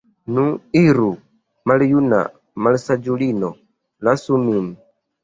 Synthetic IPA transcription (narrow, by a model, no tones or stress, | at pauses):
nuiɾu | malijuna̰ | malisad͡ʒulinɔ | lasumimi